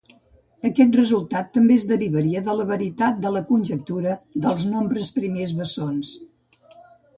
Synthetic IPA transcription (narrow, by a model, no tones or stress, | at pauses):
əkɛt̪̚rəzulˠt̪at̪ːəmbezðəɾiβəɾiəðələβəɾit̪at̪̚d̪ələkunʲʒək̚t̪uɾəðəlˠznombɾəspɾimezβəsons